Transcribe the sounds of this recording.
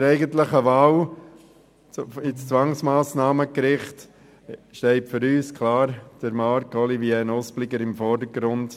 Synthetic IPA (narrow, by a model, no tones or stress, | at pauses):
ɾɛɪɡəntləχəʋɑːw | ɪt͡st͡sʋɑŋsmaːsnɑːməkɾɪχt | ʃtɛɪtfʏɾyːskʰlɑːɾd̥əɾmɑɾkɔliviɛnɔsplɪɡəɾɪmfɔːɾdəɡɾʊnd